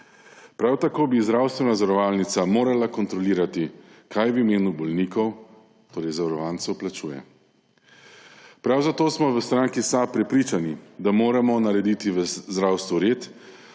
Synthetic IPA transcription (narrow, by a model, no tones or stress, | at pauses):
pɾawt̪akoːbizd̪ɾawst̪ʋɛnazɔɾɔʋaːlnit̪samoːɾalakɔnt̪ɾɔliːɾat̪ikʰajʋimeːnubɔlniːkɔw | t̪oːɾɛjzaɾɔʋaːnsɛwplat͡ʃuːjɛ̰ | pɾawzat̪oːsmɔʋəst̪ɾaŋkisapɾɛpɾiːt͡ʃanid̪amoːɾamɔnaɾɛd̪it̪iʋəzd̪ɾawst̪ʋuɾeːt̪